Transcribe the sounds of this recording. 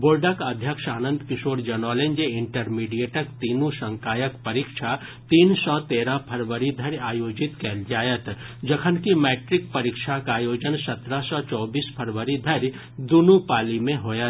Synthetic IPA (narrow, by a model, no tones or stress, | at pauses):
boːlɖəkɐd̪ʱjəkʃaːnə̃nd̪ʱkɪʃoːɾd͡ʒɐnɔːlẽnd͡ʒeɪɳʈəɾmiːɖijeːʈəkt̪iːnũsə̃ŋkaːjəkpɐɾikʃʰa | t̪iːnsɔt̪eːɾapʰəɾʋəɾid̪ʱəɾaːjoːd͡ʒɪt̪kɛːld͡ʒaːjət̪d͡ʒɐkʰənkimeːʈɾɪkpɐɾɪkʃʰakaːjoːd͡ʒənsɐt̪ɾasɔt͡ʃɔːbiːspʰəɾʋəɾid̪ʱɐɾ | d̪ʊnũpaːlimẽɦoːjət̪